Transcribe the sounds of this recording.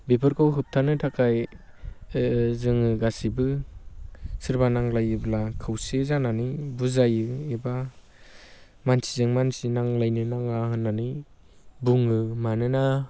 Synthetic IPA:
bepʰɯɾkʰawɦɯp̚tʰanɯtʰakʰaj | zɯŋɯɡasibɯ | sɯɾbanaŋlajɯblakʰɯwsezananibuzajɯeba | mansʰizɯŋmansinaŋlajnɯnaŋaɦɯnːani | buŋɯmanɯna

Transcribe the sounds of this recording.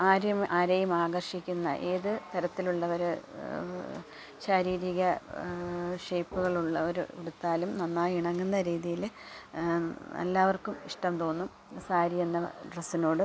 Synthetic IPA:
aːɾɐmaːɾɐjumaːɡɐrʂikʲːunːɐ̰ʔeːðɨt̪ɐɾɐt̪ːiluɭːɐʋɐɾ | ɕɐɾiːɾiɣɐ | ʂejpːuɣɐɭuɭːɐʋɐɾeɽut̪ːaːlumnɐnːaːiɳɐŋːunːɐɾiːðijil | ɐ̰lːaːʋɐrkumiʂʈɐmt̪o̞ːnːum | saːɾienːɐɖrɐsino̞ːɽɨ

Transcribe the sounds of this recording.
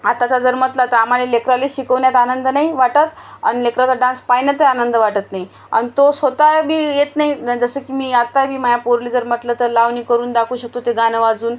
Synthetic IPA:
at̪atad͡zəɾm̤ət̪lat̪aam̤alelekɾaleɕikəʋnjat̪anənd̪ənaiʋaʈət̪a̰nilekɾat͡saɖãnspajnat̪əanənd̪əʋaʈət̪naɦi | a̰nit̪osət̪abiːjet̪naid͡zəsəkiːmiːat̪abʱiːmajapoɾlid͡zəɾm̤əʈ̪lət̪əɾlaʋniːkəɾuːnd̪akʰuːɕək̚t̪ot̪eɡanəʋad͡zuːn

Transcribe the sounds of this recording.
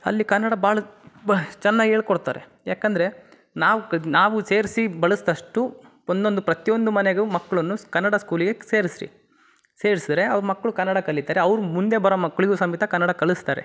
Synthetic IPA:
ɐ̰lːikɐnːɐɽɐbaːɭɐ | t͡ʃɛnːaːɡieːɭkoɽt̪a̰ːɾe | jaːkɐnd̪ɐɾe̞ | naːʋunaːʋuse̞ːɾisibɐɭɐsd̪ɐʂʈu | ond̪o̞nd̪upɾɐt̪ijo̞nd̪umɐneɡumɐkːɐɭɐnːukɐnːɐɽaskuːliɡe̞se̞ːɾisɾḭ | se̞ːɾisid̪ɾe̞ɐʋɐɾmɐkːɐɭukɐnːɐɽɐkɐɭːit̪aːɾeɐʋɾumund̪e̞bɐɾomɐkːɐɭiɡusɐmit̪ɐkɐnːɐɽakɐɭist̪aːɾḛ

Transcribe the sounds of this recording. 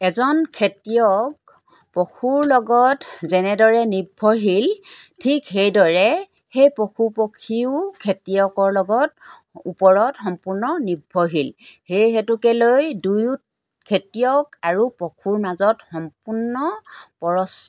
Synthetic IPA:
ɛzɔnkʰetijɔk̚ | pokʰuɹlɔɡɔtzɛnɛdɔɹɛnibʱːɔɹɦiltʰikxejdɔɹɛ | xejpokʰupokʰiʊkʰetijɔkɔɹlɔɡɔt | upɔɹɔtxɔmpuɹnɔnibʱːɔɦilhejɦetukɛlojduj | kʰetijɔkaɹupɔkʰuɹmazɔtxɔmpuɹnɔpɔɹɔs

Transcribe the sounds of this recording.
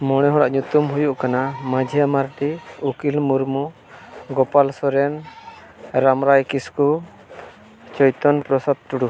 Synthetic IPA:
mɔɽ̃ɛɦɔɽaʔɲut̪umɦujuʔkanamad͡ʒʱiamaɾʈiukilmuɾmu | ɡɔpalsɔɾɛn | ɾamɾajkisku | t͡ʃɔjt̪ɔnpɾɔsad̪̚t͡ʃuɽu

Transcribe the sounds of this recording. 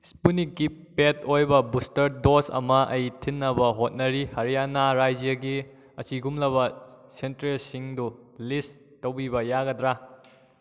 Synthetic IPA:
spunikːipetojbɐbustɐɾdosɐ̰mɐʔɐjtʰinːɐbɐɦot̚nɐɾihɐɾijanaɾajd͡ʒijɐɡi | ɐsiɡumlɐβɐsentɾelsiŋdulis | tɐwbibɐjaɡɐdɾa

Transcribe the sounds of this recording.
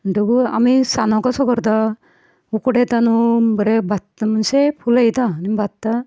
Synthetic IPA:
ɳʈəɡua̰misanɔkasɔkɔɾt̪a | ukɔɽet̪anubəɾebʱat̪ːmənsepʰulajt̪animbʱatt̪ːa

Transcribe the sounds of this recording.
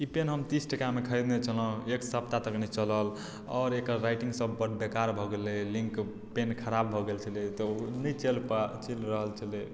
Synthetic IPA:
ipenɦəmt̪isʈəkamekʰəjd̪net͡ʃʰələ̃eksəpt̪at̪əknɛt͡ʃələl | ɔ̰ɾekəɾːajʈĩŋɡsəbːəʈbekaɾbʱɔɡelelĩŋk | penkʰəɾabbʱɔɡelt͡ʃʰəlet̪ɔnɛt͡ʃelpt͡ʃelɾəɦəlt͡ʃʰəle

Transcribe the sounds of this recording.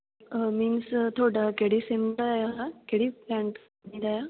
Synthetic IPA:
miːnst̪ʰoɽakeɽisemajakeɽiplãɳʈ | nid̪aja

